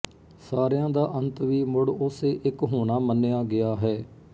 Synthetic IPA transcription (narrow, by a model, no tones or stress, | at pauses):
saːɾjãːd̪aːʔənt̪ʋiːmʊɽʊseːʔɪkɦoːɳaːmənːejaːɡɪjaːɦɛː